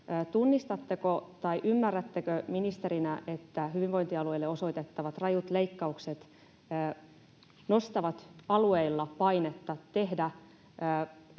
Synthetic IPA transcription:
t̪unːist̪ɑt̪ːekot̪ɑiʔymːærːæt̪ːekøminist̪eɾinæʔet̪ːæɦyʋiʋʋo̞int̪iɑlueilːeo̞so̞it̪et̪ːɑʋɑt̪rɑjut̪leikːɑukset̪ː | no̞st̪ɑʋɑt̪ɑlueilːɑpɑinet̪ːɑt̪e̞ɦdæː

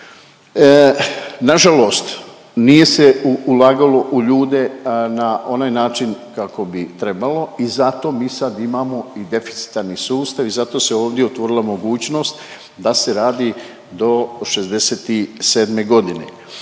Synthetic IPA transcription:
naʒalo̞ːst̪ | nije̞seuulaːɡalo̞ʔuʎuːd̪e̞nao̞naːjnaːt͡ʃinkako̞bit̪ɾe̞balo̞izat̪o̞ːmiːsad̪imaːmo̞id̪e̞fi̥t̪si̥t̪aɾnisuːst̪aʋizat̪o̞ːseo̞ːʋd̪jeot̪ʋo̞ɾilˠamo̞ɡuːt͡ɕno̞ːst̪ | d̪ase̞ɾaːd̪iː | d̪o̞ʃezd̪e̞seːt̪ise̞ːd̪me̞ɡo̞d̪inḛ

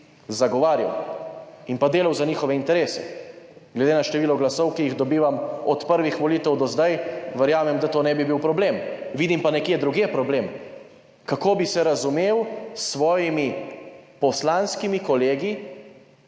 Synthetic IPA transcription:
zaɡɔʋaːɾja̰w | inpad̪eːlawzaɲiːxɔʋɛint̪ɛɾeːsɛ̰ɡlɛd̪enaʃt̪ɛʋiːlɔɡlasɔwkijiɣd̪ɔbiːʋamɔt̪pəɾʋixʋɔliːt̪ɛwd̪ɔzd̪ajʋɛɾjaːmɛmd̪at̪oːnɛbibiwpɾɔbleːmʋiːd̪impanɛkjed̪ɾuɡjepɾɔbleːm | kakoːbisɛɾazumeːwsʋɔːjimipɔslanskimikɔleːɡi

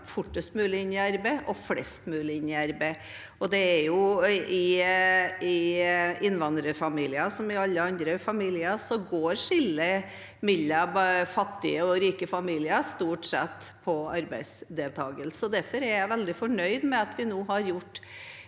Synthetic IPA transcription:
fʊʈːəst̪mʉːlɪɪnɪæɾbæɪʔɔflɛst̪mʉːlɪɪnɪæɾbæ | ɔd̪ɛæɾjʊɪ | ɪɪnːʋɑnd̪ɾəfɑmiːlɪɑsɔmɪɑlːəɑnd̪ɾəfɑmiːlɪəsɔɡoːɾʂɪlːə | mɪlːəbfɑt̪ːɪəɔɾiːkəfɑmiːlɪəst̪uːʈsɛt̪ːpʰɔɑɾbæɪsd̪eːlt̪ʰɑːɡəlsɔd̪æɾfɔɾæɾjæɪʋɛld̪ɪfɔɳœʏd̪mɛɑt̪ʰʋɪnoːɦɑɾjʊʈː

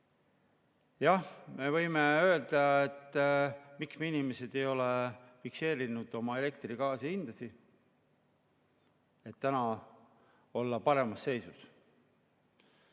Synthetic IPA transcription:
jɑhme̞vɤjme̞ø̞ːld̪̥ɑet̪ːˑ | miksmeinimese̞d̪̥e̞jo̞lefikse̞ːɾinud̪̥o̞mɑe̞le̞k̚t̪rikɑːsiind̪̥ɑsi | e̞t̪ːænɑ | o̞lːɑpɑɾe̞mɑsːe̞jsus

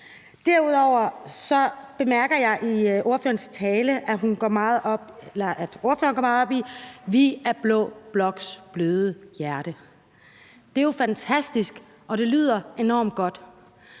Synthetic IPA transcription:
d̥æɐuð̰ˠɒʊ̰ɐsɒ̽b̥e̝mæɐɡ̥ɐjɑ̈ɪʔiʔo̝ɐfø̰ːɐnst͡sʰɛːləʔæɦunɡ̥ɒmɑ̈ːð̩ˠɒb̥elɐʔæd̥o̝ɐfø̰ːɐnɡɒ̰ɐmɑ̈ð̩ˠɒ̽b̥iʋiæɐb̥lɔ̰̽ːb̥lɒ̽ɡ̥sb̥løːð̞ˠəjæɐɾ̥ə | d̥e̝jofænt͡sʰæsd̥isɡ̥ | ʔɒ̽d̥e̝ly̰ːð̰ˠɐe̝nɒ̰ːmd̥̚ɡ̥ɒ̽d̥

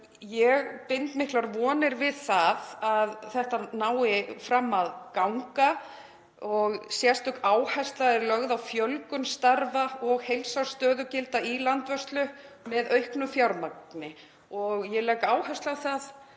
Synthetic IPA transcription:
jɛɣpɪnt̪mɪhklaɾvɔːnɪɾvɪðθaðaðθɛht̪anaːwɪfɾamːaðkawŋka | ɔɣsjɛ̥st̪ʏkaːwhajst̪laɛɾlœɣðawfjœlkʏnst̪aɾvaɔɣhejlsawst̪œːðʏcɪlt̪ailant̪vœrst̪lʏmɛðœɥhknʏfjaɾmaknɪ | ɔɣjɛlɛːkaːwhast̪lawθað

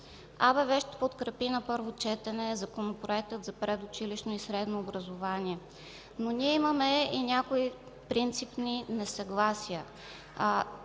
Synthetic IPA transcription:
abɛvɛʃt̪ɛ̥pot̪kɾɛpinɐpɤɾvot͡ʃɛt̪ɛnɛzɐkonopɾoɛk̚t̪ɤt̪zɐpɾɛd̪ʊt͡ʃiliʃnoisɾɛd̪noːbɾɐzovaniɛ | noniɛiməmɛinʲakoi | pɾint̪sipninɛsɐɡlˠasijə

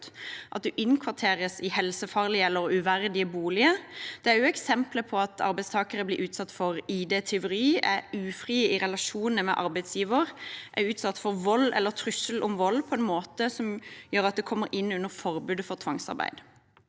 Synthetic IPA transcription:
ʔɑt̪̚d̪ɛʔɪnkʰʋɑt̪ʰeːɾəsɪhɛlsəfɑːʁlɪəɛlːəɾʉʋæɾd̪ɪəbuːlɪəd̪̥ɛæɾjʉɛksɛmpləpʰɔɑt̪ʰɑ̰ɾbæɪst̪ʰɑːkəɾəblɪːɾʉːt̪sɑt̪ːfɔɾiːd̪ɛːt̪ʰɛʊɾiːæʉːfɾiːəɪʁɛlɑʃuːnəmɛ̰ʔɑɾbæɪd̪sjiːʋəʁʔæɾʉːt̪sɑt̪ːfɔɾʋɔlːɛ̰lːəɾt̪ʰɾʉsəlʔɔmʋɔlːpʰɔɛnmoːt̪əsɔmjøːɾɑt̪̚d̪ɛkʰɔmːəɾɪnːʉnːəɾfɔɾbʉːd̪əfɔʁt̪ʰʋɑŋsɑ̰ɾbæ̰ɪd̪

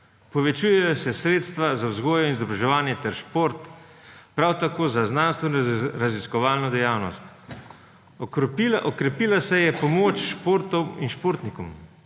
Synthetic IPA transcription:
pɔʋɛt͡ʃuːjɛjɔsɛsɾeːt̪st̪ʋazawzɡoːjɔinizɔbɾaʒɛʋaːnjɛt̪ɛɾʃpoːɾt̪pɾawt̪akoːzaznaːnst̪ʋɛinɾaziskɔʋaːlnɔd̪ɛjaːwnɔ̰st̪ | ʔɔkɾɛpiːlasɛjɛpɔmoːt͡ʃʃpoːɾt̪ɔwinʃpoːɾt̪nikɔm

